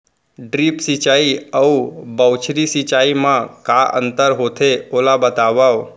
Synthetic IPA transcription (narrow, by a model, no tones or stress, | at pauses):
ɖɾipsit͡ʃaːiəubəwt͡ʃʰɾisit͡ʃaːimãkaʔə̰̃nt̪əɾɦot̪ʰeoːlabət̪aʋaw